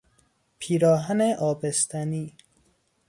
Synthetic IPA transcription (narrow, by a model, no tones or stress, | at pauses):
pʰiːɾɒːɦæneʔɒːbest̪ʰæniː